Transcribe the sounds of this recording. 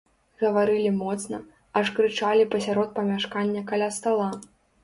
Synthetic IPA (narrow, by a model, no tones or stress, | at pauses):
ɣɐvaɾɨlʲimɔt̪snɐ | ɐʂkɾɨt͡ʂalʲipɐsʲaɾɔt̪̚pɐmʲaʂkanʲːɐkalʲast̪alˠa